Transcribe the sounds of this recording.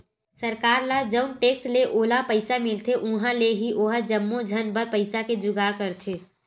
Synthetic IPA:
səɾkaːɾlad͡ʒəʊnʈeːksleʔoːlapəɪsamɪlt̪ʰeʔʊ̃ɦãleɦiʔoɦəd͡ʒəmːod͡ʒʱənbəɾpəɪsaked͡ʒʊɡaːɽkəɾt̪ʰeː

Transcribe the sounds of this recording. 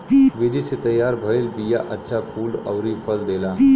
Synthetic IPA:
ʋid̪ʱiset̪əjːaɾbʱəiːlbija̰ʔəɕafʰuːlə̰ʋɾifʰəld̪ela

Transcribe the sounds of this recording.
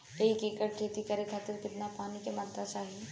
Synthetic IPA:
eikekəʈ̚ʈʰeːt̪ikɐɾekʰaːt̪ɪɾkɪt̪napaːnikemaɾt̪at͡ʃaːɦie

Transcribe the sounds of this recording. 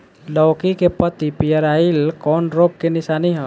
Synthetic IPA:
lɔːkikepət̪ipijəɾaːilkɔːnɾoɡ̚kenɪsaːniɦɔ̃

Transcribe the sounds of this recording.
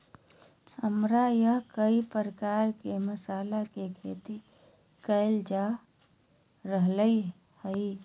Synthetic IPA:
həmɾajəɦkəipɾəkaɾkeməsalakekʰḛt̪i | kəɪld͡ʒa | ɾəɦləi | həi

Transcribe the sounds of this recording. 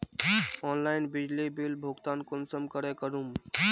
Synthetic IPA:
ɔːnlaɪnbɪd͡ʒlibilbʱʊɡt̪aːnkʊnsəmkəɾekəɾum

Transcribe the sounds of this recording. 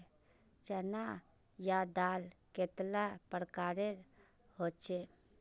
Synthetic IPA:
t͡ʃəna | jad̪aːlkeːt̪lapəɾkaːɾeɾ | hoːt͡ʃʰe

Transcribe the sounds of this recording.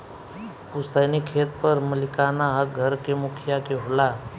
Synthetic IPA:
pʊst̪anikʰeːt̪pəɾməlɪkaːnaɦəɡʱəɾkemʊkʰɪjakeɦola

